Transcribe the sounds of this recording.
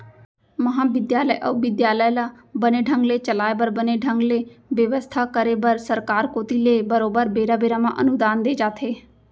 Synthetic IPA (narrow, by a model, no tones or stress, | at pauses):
məɦãːbɪd̪jaːləiʔə̰ubɪd̪jaːləjlaː | bəneːɖʱə̃ŋɡleːt͡ʃəlaːebəɾbəneːɖʱəŋɡleːʋjəʋəst̪ʰaːkəɾeːbəɾsəɾkaːɾkoːt̪iːleːbəɾoːbəɾbeːɾaːbeːɾaːmã̰ːʔənʊd̪aːnd̪eːd͡ʒaːt̪ʰeː